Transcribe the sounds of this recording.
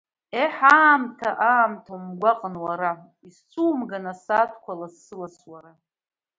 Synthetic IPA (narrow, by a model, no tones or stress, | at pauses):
eħaːmtʰaʔaːmtʰawmɡʷaqʼənwaɾa | ist͡sʷʰuːmɡanasatʰkʷʰalasːɨlaswaɾa